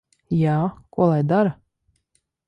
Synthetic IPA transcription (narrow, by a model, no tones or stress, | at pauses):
jaːkuɔlˠajd̪aɾa